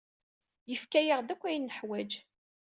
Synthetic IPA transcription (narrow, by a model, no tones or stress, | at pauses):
jəfkæjəʁd̪ækʷːæjinːəħwæd͡ʒ